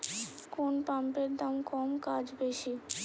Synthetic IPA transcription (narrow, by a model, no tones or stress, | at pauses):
konpampeɾd̪amkɔmkad͡ʑbeʃi